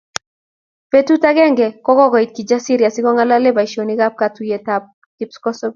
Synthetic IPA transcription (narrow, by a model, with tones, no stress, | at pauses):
pe˦tu˦ta˦ɡɛ˦ŋɡɛ˨kɔ˦kɔ˦kɔ˨i˨t̚ki˨d͡ʒa˦si˦ɾja˨sɪ˦kɔ˦ŋa˦la˦le˦ba˨i˨ʃo˨ni˦ɡa˦p̚ka˨tu˨je˨ta˦p̚ | kɪ˦pskɔ˦sɔ˦b